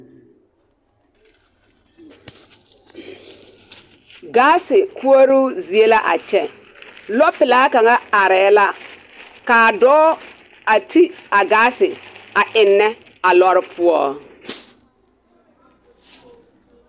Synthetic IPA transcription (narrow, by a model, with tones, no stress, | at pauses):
ɡaː˦sɪ˨ku˦o˦ɾu˦zi˨e˦la˦ʔa̰˨t͡ʃɛ˦ | lɔ˦pɪ˨la˨˦ka˨ŋa˦a˨ɾɛː˨˦la˦ | kaː˨dɔː˦ | a˨tʰi˦a˨ɡaː˦sɪ˨a˨ʔɪ˨nːɛ˦ | a˨lɔ˦ɾɪ˦pʰʊ˦ɔ˦